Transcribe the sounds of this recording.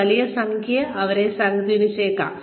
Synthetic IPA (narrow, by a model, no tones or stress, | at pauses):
ɐlijɐsɐŋkʰijɐʔɐʋɐɾesɐŋɐt̪ːinuɕeːkːa̰ː